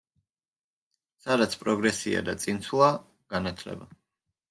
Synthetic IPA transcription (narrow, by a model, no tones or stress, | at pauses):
sad̪at̪sʰpʼɾɔɡɾɛsia̰d̪at̪sʼint̪sʰwlˠa | ɡ̥anat̪ʰlɛ̰ba